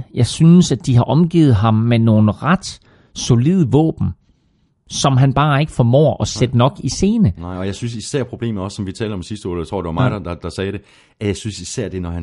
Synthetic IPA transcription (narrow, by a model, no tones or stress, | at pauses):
jɑ̈ɪsynəsæ̥d̥iɦɑ̈ʔɒ̽mɡ̥ḭːð̩ˠɦɑ̈mːeno̝ːn̩ʁɑd̥ | so̝lið̞̰ˠəʋɔ̰ːb̥n̩ | sɒ̽mɦænb̥ɑ̈ːe̝ɡ̥əfɒmɔ̰ːʔɒ̽sed̥ənɒ̽ɡ̥ise̝ːnə̰ɒ̽jɑ̈ɪsynsisæɐ̰pʰʁo̝b̥e̝̰ːm̩ɒ̽sːɒ̽mʋit͡sʰɛːld̥ɒ̽msisd̥əɒ̰ːt͡sʰʁo̰ːd̥e̝ʋɑmɑ̈ɪd̥ɐd̥ɑd̥ɑ̈sɛːɾe̝ | æjɑ̈ɪsynsisæɐ̰d̥e̝nɒhæn